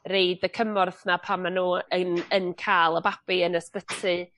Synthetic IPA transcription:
rejdəkʰəmɔrθnapʰamːanuːənənkʰaːlˠəbab̥iənəspətʰɨ

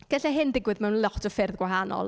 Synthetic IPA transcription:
ɡ̥əɬɛɦɪndɪɡwɨðmɛwnlˠɔtʰɔfɪrðɡwaɦanɔ̰lˠ

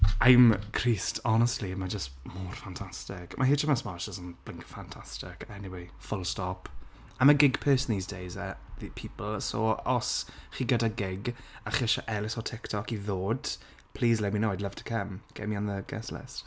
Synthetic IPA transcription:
ajmkʰr̥iːstʰɔnəstlimad͡ʒəstmoːr̥fantʰastɪkmʔaɦiːt͡ʃʰəmasmaʃɔsənb̥lɪ̃ŋkʰfantʰastɪ̰kʰaɛniwejfʊlˠstɔp | əməɡɪɡpʰɜːsniːzdejzəðipʰiːpəl̩ˠso̰ːɔsχiːɡədaɡɪɡaχɪʃaʔɛlɪsɔtʰɪktʰɔkiðoːd̥ | pʰl̥iːzlɛminoːɪdləvtʰə̥kʰəmɡ̥ɛ̰miɔnðəɡ̥ɛ̰slɪ̰st

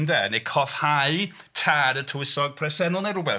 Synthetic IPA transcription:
ndɛnejkʰɔθhaɨ | tʰaːdətʰʊwɪsɔɡ̚pʰrɛsɛnʊlˠnɛɾʊbɛ

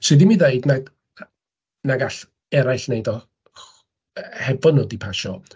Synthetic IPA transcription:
sɨðimiðajdnad | naɡaɬ | ɛɾajɬnejdɔ | hɛvɔnodipʰaʃɔ

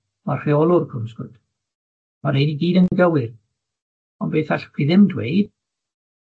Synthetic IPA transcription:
marr̥iɔlˠʊrkʰʊmskʊd̥ | maɾejdiɡiːdəŋɡəwɪr | ɔnbeːθaɬkʰwiðɪmdwḛjd̥

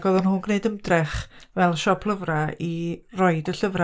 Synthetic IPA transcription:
ɡɔðɔnhʊnɡneɨdəmdrɛχvɛlˠʃɔpʰlˠəvrairɔɨdəɬəvra

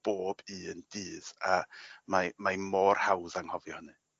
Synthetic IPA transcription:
b̥oːbiəndiːðamamajmoːrhawðaŋhɔvjɔhənɨ

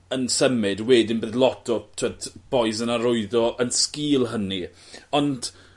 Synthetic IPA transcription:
ənsəmɪdweːdɪnbeːðlˠɔtʰɔtʰɛtb̥ɔjsənaɾʊɨðɔʔənskiːlˠɦəni | ɔnd

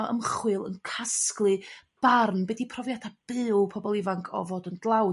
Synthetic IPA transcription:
ə̰mχwɨlˠə̰nkʰasklˠɨb̥arnbɛdipʰrɔvjadʰab̥ɨːlˠpʰɔbɔlˠivaŋkʰɔ̰voːdəndlˠaw

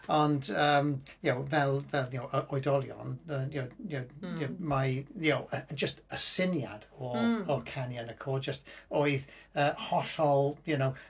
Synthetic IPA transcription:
əndəːmjowvɛlˠvɛlˠjowʔəʔɔɨdɔlˠjɔ̰nəːjojojomajjowəd͡ʒəstəsɪnja̰d̥ɔɔkʰanjanəkʰɔːd̚d͡ʒəstoɨðəːhɔɬɔlˠjʊnow

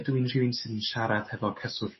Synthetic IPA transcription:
dwinrɪwɨnsɨðənʃaɾaθhɛvɔkʰɛsʊð

